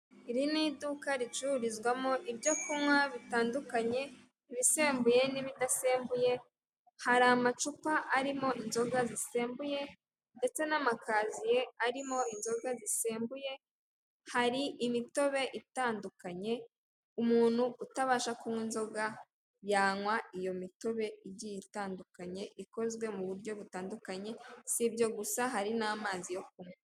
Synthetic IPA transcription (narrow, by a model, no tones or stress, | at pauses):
iɾinidukaɾit͡ʃuɾizɡwamoʔibjo̞kumŋwaβitaːndukaɲe̞ | βise̞ːmbuje̞niβidase̞ːmbuje̞ | haɾamat͡ʃupaʔaɾimo̞inzo̞ɡazise̞ːmbuje̞ | nde̞t͡se̞namakʰaːzije̞aɾimo̞inzo̞ɡazise̞ːmbuje̞ | haɾiʔimito̞βe̞ʔitaːndukaɲe̞ | umuːn̥huutaβaːʃakumwiːnzo̞ɡa | jaːŋwaijo̞mito̞βe̞iɟiitaːndukaɲe̞ʔiko̞zwe̞muβuɾɟo̞βutaːndukaɲe̞sibɟo̞ɡusaɦaɾinaːmaːzijo̞k̚umwe